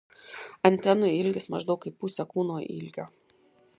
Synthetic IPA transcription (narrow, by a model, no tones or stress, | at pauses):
ɐnʲt̪ʲɛnʊɪɪlʲɡʲɪsmɐʒd̪ɒʊkiːpʊsʲɛkuːnoːʔɪ̰lʲɡʲoː